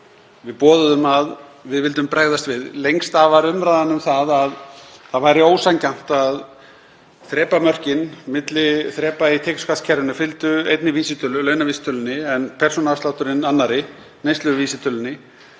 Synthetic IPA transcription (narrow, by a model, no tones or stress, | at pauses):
vɪðpɔːðʏðʏmaðvɪðvɪlt̪ʏmpɾaɣðast̪vɪðlejŋst̪avaɾʏmɾajðanːʏmθaðaðθaðvajɾɪoːwsaɲcan̥t̪að | θɾɛːpamœr̥cɪnmɪt̪lɪθɾɛːpait̪ʰekskʰascʰɛɾvɪnʏfɪlt̪ʏḛjt̪nɪviːsɪt̪ʰʏlʏlœɥnaviːsɪ̥t̪ʰœlʏnɪɛnpʰɛr̥sɔnaafst̪lawht̪ʏɾɪnanːaɾɪ | nejst̪lʏɣviːsɪt̪ʰœlʏnːɪ